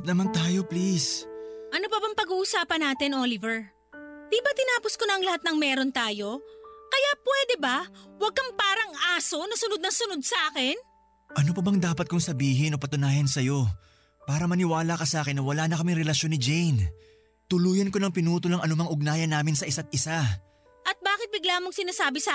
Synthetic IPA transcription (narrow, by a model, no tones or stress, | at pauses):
p̚nɐmant̪aːjo̞plisʔɐnopɐbɐŋpɐɡuːʔʊsaːpɐnːaːt̪ɪnʔolɪvɛɹ | d̪̥ibɐt̪ɪnaːposkonɐʔɐŋlɐhat̪̚nɐŋmɛːɾo̞nt̪aːjo̞kɐjapwɛːd̪ɛbɐwɐɡ̚kːɐŋpaːɾɐŋaːso̞nɐsʊnod̪nɐŋsʊnod̪̚sɐʔaːkɪn | ʔɐnop̬ɐbɐŋd̪aːpɐt̪kʊŋsɐbiːɦɪno̞pɐt̪ʊnaːjɐnsɐjo̞ | paːɾɐmɐnɪwaːlakɐsʔaːkɪnːɐwɐlaːnɐkɐmiŋɾɛlɐʃjo̞nːɪd͡ʒɛjn | t̪ʊluːjɐnko̞nɐŋpɪnuːt̪olɐŋɐnʊmɐŋʊɡ̚naːjɐnːaːmɪnsɐʔɪsat̪̚ʔɪsa | ʔɐt̪̚baːkɪt̪̚bɪɡlaːmoŋsɪnaːsaːbɪsɐ